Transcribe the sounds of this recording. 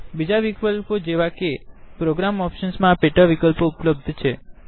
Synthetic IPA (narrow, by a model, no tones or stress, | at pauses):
bid͡ʒaʋikəlpod͡ʒeʋakepɾoɡɾamɔpʃənsmãːpeʈəʋikəlpoupləb̚d̪ʱt͡ʃʰe